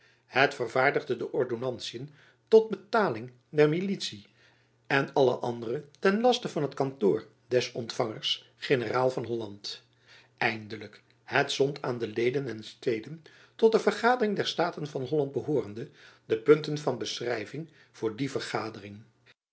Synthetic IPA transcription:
hətfərvaːɹdəʁdədəʔɔɹdonɑntsiən | tɔd̚bətaːlɪŋ | dɛɹmilitsi | ɛnɑlə̰ʔɑ̰ndərətɛnlɑstəvɑnɦətkɑntoːɹ | dɛsɔntfɑŋəɹs | χɪnəraːlˠvɑnɦɔlɑnt | ʔɛjndələk | hətsɔntʰaːndəlejdənɛnstejdən | tɔt̚dəvərχaːdərɪŋdɛɹstaːtənvɑnɦɔlɑnd̚bəɦoːrəndəd̥əpɵntənvɑnbəsrɛjvɪŋ | v̥ʊːɹdivərχaːdərɪŋ

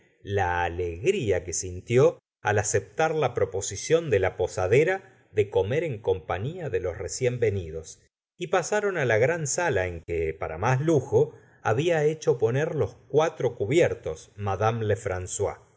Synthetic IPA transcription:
laːleɣɾiake̞sint̪jo | a̰lase̞p̚t̪aɾlapɾo̞po̞sisjo̞nd̪elapo̞saðeɾa | ðe̞ko̞meɾe̞ŋko̞mpaɲiaðe̞lo̞sresje̞mbe̞niðo̞s | ipasaɾo̞nalaɣɾansalaeŋkepaɾa̰masluxo̞ | aβiaet͡ʃo̞po̞neɾlo̞skwat̪ɾo̞kuβjɛɾt̪o̞smaðamlefɾanswa̰

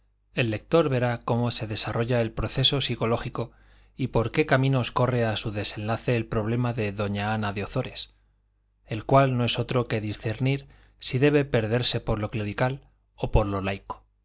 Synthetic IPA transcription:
e̞lːe̞k̚t̪o̞ɾβe̞ɾako̞mo̞se̞ðe̞saro̞ʝae̞lpɾo̞θe̞so̞siko̞lo̞xiko̞ | ipo̞ɾke̞kamĩno̞sko̞re̞asuðe̞se̞nlaθe̞ːlpɾo̞β̞le̞maðe̞ðo̞ɲaanaðeo̞θo̞ɾe̞s | e̞lkwalnoe̞so̞t̪ɾo̞ke̞ðisθe̞ɾniɾ | siðe̞β̞e̞pe̞ɾðe̞ɾse̞po̞ɾlo̞kle̞ɾikal | o̞po̞ɾlo̞lajko̥

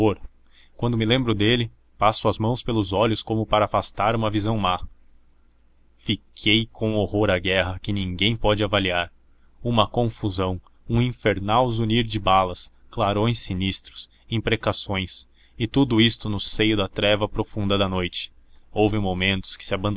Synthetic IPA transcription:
oɾ | kwɐ̃nd̪ʊmɪlẽmbɾʊd̪elɪ | pasʊɐzmɐ̃w̃spelʊzɔʎʊskõmʊpaɾɐːfast̪aɾũmɐvizɐ̃w̃ma | fikʰejkʰõw̃ohoɾɐɡɛɦɐkɪnĩŋɡẽj̃pɔd͡ʒɪavaliaɾ | ũmɐkõfuzɐ̃w̃ | ũĩfeɾnawzuniɾd͡ʒɪbalɐsklaɾõj̃sinist̪ɾʊs | ẽpɾekasõj̃s | ɪt̪ud̪ʊist̪ʊnʊsejʊd̪ɐt̪ɾɛvɐpɾofũnd̪ɐd̪ɐnojt͡ʃɪ̥owvɪmomẽnt̪ʊ̥skɪ̥sɪabɐ̃nd̪

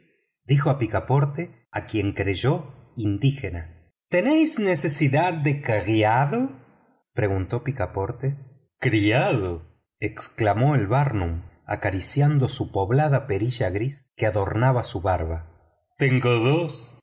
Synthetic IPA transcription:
d̪ixoapikapo̞ɾt̪e | akje̞ŋkɾeʒo̞ind̪ixena | t̪enejsnesesiðaðːekaɣjaðo | pɾe̞ɣunt̪o̞pikapo̞ɾt̪e | kɾiaðo | eksklamo̞elβaɾnuma̰kaɾisjand̪o̞supoβlaðapeɾiʒaɣɾiskeaðo̞ɾnaβasuβaɾβa | t̪eŋɡoðos

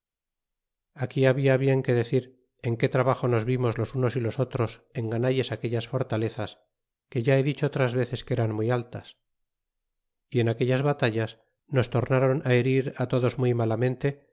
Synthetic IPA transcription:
akiaβiaβ̞je̞ŋke̞ðe̞θiɾ | eŋke̞t̪ɾaβaχo̞nozβimo̞zlo̞sunosilo̞so̞t̪ɾo̞se̞ŋɡanaʎe̞sake̞ʎasfo̞ɾt̪ale̞θas | ke̞ʝae̞ðit͡ʃoot̪ɾazβe̞θe̞ske̞ɾanmuialt̪as | ie̞nakeʎazβat̪aʎas | no̞st̪o̞ɾnaɾo̞nae̞ɾiɾat̪o̞ðo̞zmujmalamẽ̞nt̪e̞

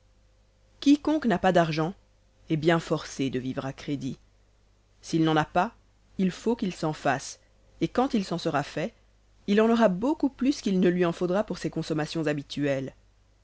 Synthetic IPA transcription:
kʲikɔ̃knapad̪aʁʒɑ̃ | ɛbjɛ̃fɔʁsed̪əvivʁakχed̪i | silnɑ̃napa | ilfokilsɑ̃fas | ekɑ̃t̪ilsɑ̃səʁafɛ | ilɑ̃nɔʁabokuplyskilnəlɥiɑ̃fod̪ʁapuʁsekɔ̃sɔmasjɔ̃zabit̪ʰyɛl

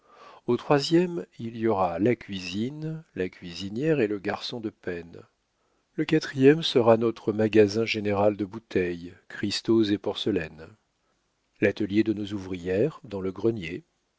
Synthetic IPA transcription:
ot̪χwazjɛmilijɔʁalakʲɥizinlakʲɥizinjɛʁeləɡaʁsɔ̃d̪əpɛn | ləkat̪χijɛmsəʁanɔt̪χəmaɡazɛ̃ʒeneʁald̪əbut̪ʰɛjkχist̪ozepɔʁsəlɛn | lat̪əljed̪ənozuvʁijɛʁd̪ɑ̃ləɡʁənje

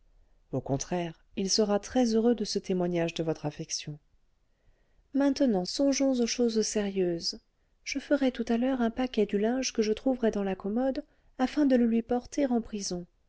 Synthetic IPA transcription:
okɔ̃t̪χɛʁ | ilsəʁat̪χɛzøʁød̪əsət̪emwaɲaʒd̪əvɔt̪χafɛksjɔ̃ | mɛ̃t̪ənɑ̃sɔ̃ʒɔ̃zoʃozseʁjøːz | ʒ̥əfəʁɛt̪ut̪alœʁɛ̃pakʲɛd̪ylɛ̃ʒkəʒət̪χuvʁɛd̪ɑ̃lakɔmɔd̪ | afɛ̃d̪ələlɥipɔʁt̪eʁɑ̃pχizɔ̃

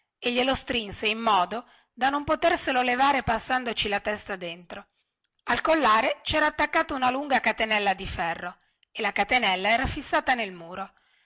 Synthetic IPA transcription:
eʎːelost̪ɾinseimːɔːd̪o | d̪anompot̪erselolevaːɾepasːand̪ot͡ʃilat̪ɛst̪ad̪ent̪ɾo | alkolːaːɾet͡ʃɛːɾaːt̪ːakːaːt̪ounaluŋɡakat̪enɛlːad̪ifɛrːo | elakat̪enɛlːaɛːɾafisːaːt̪anelmuːɾo

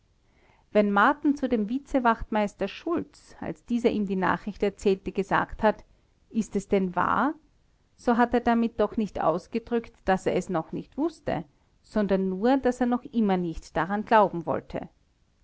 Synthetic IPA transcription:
vɛnmaɐtn̩t͡sudeːmvɪt͡səvaχtmaɪstɐʃʊlt͡sa̰lsd̥iːzɐʔiːmdiːna̰ːχʁɪçtɛɐt͡sɛːltəɡ̥əza̰ːkthat | ʔɪstɛsd̥ɛnva̰ːɐ | z̥oːɦateːɐdamɪt̚d̥ɔxnɪçtʔa̰ʊsɡ̥ədʁʏktd̥aseːɐɛsnɔχnɪçtv̥ʊstə̰ | z̥ɔndɐnːuːɐdaseːɐnɔχʔɪmɐnɪçtd̥aʁanɡlaʊbm̩vɔ̰ltʰə̰

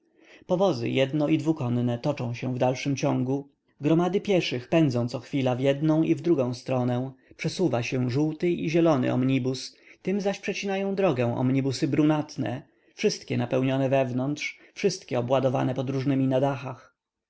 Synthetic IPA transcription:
pɔvɔzɘ̰jɛd̪nɔid̪vukɔnnɛt̪ɔt͡ʂɔ̃w̃ɕɛvd̪alʂɘmt͡ɕɔ̃ŋɡu | ɡɾɔmad̪ɘpʲjɛʂɘxpɛnd̪zɔ̃t̪sɔxfʲilavjɛd̪nɔ̃w̃ivd̪ɾuɡɔ̃w̃st̪ɾɔnɛ̃pʂɛsuvaɕɛʐuwt̪ɘʔiʑɛlɔnɘ̰ʔɔ̰mɲibus | t̪ɘmzaɕpʂɛt͡ɕinajɔ̃w̃d̪ɾɔɡɛw̃ʔɔ̰mɲibusɘbɾunat̪nɛ̰ | fʂɘst̪kʲɛnapɛwɲɔnɛvɛvnɔnt̪ʂ | fʂɘst̪kʲɛɔbwad̪ɔva̰nɛpɔd̪ɾuʐnɘmʲinad̪axax

